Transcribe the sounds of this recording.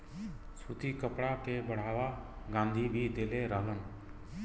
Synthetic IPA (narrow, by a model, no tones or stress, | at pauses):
sut̪iːkəpɽakebəɽ̤aːʋaː | ɡãːnd̪ʱiːbʱiːd̪eːleɾəɦlən